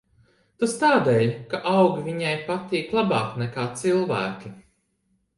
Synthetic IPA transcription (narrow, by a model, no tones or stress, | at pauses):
t̪ust̪aːd̪ɛːjkaʔawɡivʲiɲajpat̪iːklˠabaːknɛkaːt̪silˠvæːkʲi